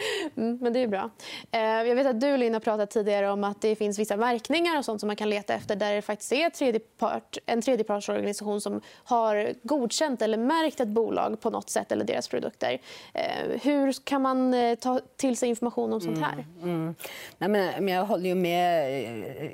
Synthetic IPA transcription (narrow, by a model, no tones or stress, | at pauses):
mm̩ːmɛnd̪ɛjʉbɾɑ̰ː | jɑɡveːt̪at̪̚d̪ɵɪlɪnːapʰɾɑːt̪at̪ʰːiːd̪ɪɡaɾəɔmat̪̚d̪ɛfɪnsvɪsːavæɾknɪŋaɾɔsɔnt̪sɔmːankʰanleːt̪aɛ̰ft̪əɖæɾɛfakt̪ɪ̥st̪ɛt̪ʰːɾeːd̪jəpʰɑ̰ːʈɛnt̪ʰɾeːd̪jəpʰɑːʂɔɾɡanɪsaɧuːnsɔmhaɾɡuːd̪ɕɛnt̪ɛlːəɾmæɾkt̪ɛt̪̚buːlʔɑ̰ːɡpʰɔnɔ̰t̪ːsɛ̰t̪ːɛ̰lːə̰ɖḛːɾa̰spʰɾʊd̪ɵ̰kt̪ə̰ɾ̰ | ɦɵ̟ɾkʰanmant̪ʰɑːt̪ʰɪlsɛjɪnfɔɾmaɧuːnɔmsɔnhæ̰ːɾ | nɛmɛnjɑɡɦɔlːəjɵmɛ